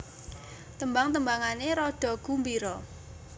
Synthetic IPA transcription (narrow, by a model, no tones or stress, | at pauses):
t̪əmbaŋt̪əmbaŋaneɾɔɖ̥ɔ̤ɡ̥umbiɾɔ